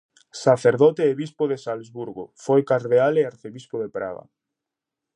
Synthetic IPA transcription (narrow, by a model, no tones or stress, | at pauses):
saθeɾðɔt̪eːβispoðesalzβuɾɣofojkaɾðealeaɾθeβispoðepɾa̰ɣa̰